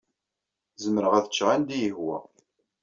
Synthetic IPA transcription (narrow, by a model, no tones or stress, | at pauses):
zəməɾəʁæθət͡ʃːʁænd̪ijəhwæ̰